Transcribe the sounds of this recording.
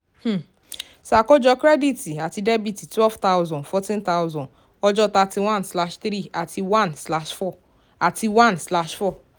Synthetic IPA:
h̩˦˨ | sa˨kɔ˦d͡ʒɔ˧kɾɛ˦di˦ti˨a˨ti˧de˦bi˦˨ti˨twɛ˦lft̪a˦ʊzɔ̃˨ndfɔ˧tĩ˦nt̪a˦ʊzɔ̃˨d | ɔ˦d͡ʒɔ˦ta˧ti˧wã˦nsla˧ʃtɾi˦˨a˨tʰi˧wã˦nsla˧ʃfɔ˦˨ | a˨ti˧wã˦nsla˧ʃfɔ˦˨

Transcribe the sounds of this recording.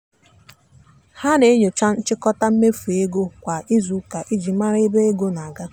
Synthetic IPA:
ha˦ne˨˦ɲe˨t͡ʃa˦n̩˦t͡ʃɪ˦kɔ˦ta˦m̩˦me˦fu˨e˦ɡo˦kʷa˨ʔi˦zu˨ka˨ʔi˦d͡ʒi˨ma˦ɾe˦be˦e˦ɡo˦na˨ɡa˦

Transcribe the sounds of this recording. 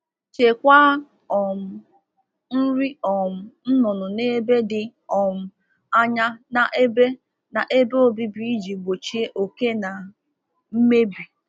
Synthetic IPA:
t͡ʃe˨kʷa˦ | ɔ˨m̩˨ | n̩˦ɾi˦ɔ˨m̩˨n̩˦nʊ˨nʊ˨ne˦be˦dɪ˨ɔ˨m̩˨ | a˦ɲa˦na˨ʔe˦be˦ | na˨ʔe˦be˦o˨bi˦bi˦i˦d͡ʒi˨ɡ͡bo˨t͡ʃi˦e˦ʔo˨ke˦na˨ | m̩˦me˦bi˨

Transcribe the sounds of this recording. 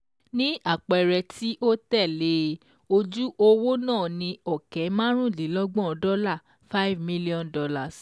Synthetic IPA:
nĩ˦a˦˨k͡pɛ˨ɾɛ˧tʰi˦ʔo˦tɛ˦˨le˦ | o˧d͡ʒu˦ʔo˧wo˦nãː˦˨nĩ˧ɔ˨kɛ˨˦mã˦ɾ̃ũ˦˨li˨˦lɔ˦ɡ͡bɔ̃˦ɔ˧dɔ˦la˦˨ | fa˦i˦vmĩ˦li˦ɔ̃˦ndɔ˧la˨s

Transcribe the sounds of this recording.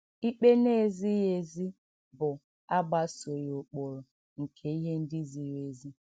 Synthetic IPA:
i˦k͡pe˦ne˦˨zi˦je˨zi˦ | bʊ˨ | a˦ɡ͡ba˦so˨ɾo˨k͡po˨ɾo˨ | ŋ̩˨kʰe˨i˦ɦe˦n̩˦dɪ˦zi˨˦ɾe˨zi˦

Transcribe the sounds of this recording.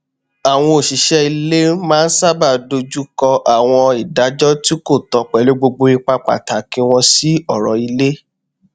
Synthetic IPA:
a˨w̃ɔ̃˧o˨ʃi˨˦ʃɛ˦i˧le˦mãː˦˧n̩˦sa˦ba˦˨do˧d͡ʒu˦kɔ˧ʔa˨w̃ɔ̃˧i˨da˨˦d͡ʒɔ˦ti˦ko˦˨tɔ˧k͡pɛ˨lo˦ɡ͡bo˧ɡ͡bo˧i˧k͡pa˧k͡pa̰˨ta˨˦kĩ˧w̃ɔ̃˧si˦ɔ˦˨ɾɔ˨i˧le˦

